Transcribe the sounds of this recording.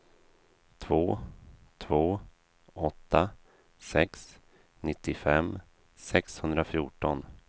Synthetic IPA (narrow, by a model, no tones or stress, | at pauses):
t̪ʰvoːt̪ʰvoː | ɔt̪ːa | sɛks | nɪt̪ːɪfɛm | sɛkshɵnd̪ɾafjuːʈɔn